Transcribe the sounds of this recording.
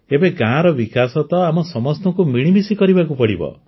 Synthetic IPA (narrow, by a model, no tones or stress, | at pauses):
ebeɡãɦãɾɔbikasɔt̪ɔamɔsɔmɔst̪ɔŋkumiɽ̃imisikɔɾibakupɔɽḭbɔ̰